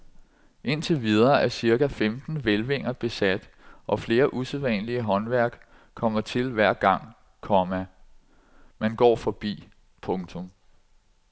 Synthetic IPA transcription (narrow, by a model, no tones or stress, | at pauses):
ʔe̝n̰t͡sʰe̝ʋið̞ˠɐːæɐsiɐɡ̥æfemd̥n̩ʋelʋe̝ŋ̰ɐb̥e̝sæd̥ʔɒ̽fle̝ːɐʔuseðˠʋɛ̰nliəɦɒ̽nʋæɐ̰ɡ̥ | kʰɒ̽m̰ɐt͡sʰe̝lʋæɐ̰ɡ̥ɑ̈ŋ̰ | kʰɒ̽mæ | mænɡ̥ɒ̰ːfɒ̽b̥ḭː | pʰɔ̽ŋt͡sʰɔ̽m